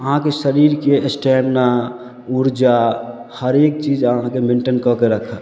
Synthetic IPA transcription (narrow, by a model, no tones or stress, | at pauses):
əɦãkesəɾiɾkeesʈɛmna | uɾd͡ʒahəɾek̚t͡ʃid͡ʒəɦãkemeɳʈənkɔkeɾəkʰə̃